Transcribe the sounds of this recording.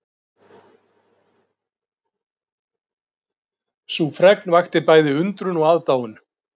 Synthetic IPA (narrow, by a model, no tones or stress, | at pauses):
sufɾɛknvajxt̪ɪpaːjðɪʏnt̪ɾʏnɔɣaːðt̪aːwʏn